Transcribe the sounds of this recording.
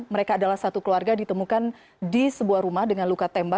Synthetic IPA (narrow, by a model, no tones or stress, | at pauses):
məɾekaːdalahsat̪ukluarɡadit̪əmukan | disəbuahɾumahdəŋanlukat̪ɛmba